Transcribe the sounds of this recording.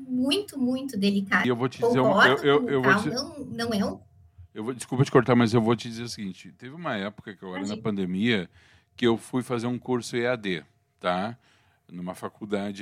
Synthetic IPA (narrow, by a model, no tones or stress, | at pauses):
mũj̃t̪ʊmũj̃t̪ʊd̪elikaewvot͡ʃɪd͡ʒizeɾũmɔewewewvoɐ̃w̃nɐ̃w̃ew | ewvod͡ʒɪskupɐt͡ʃɪ̥koɾt̪amɐzewvot͡ʃɪd͡ʒizeɾɐsɪɡĩnt͡ʃɪt̪evɪũmɐɛpʊ̥kɐkɪewaenɐpɐ̃nd̪emiɐ | kɪewfujfazeɾũkuɾsʊead̪e | t̪a | nũmɐfakud̪ad͡ʒɪ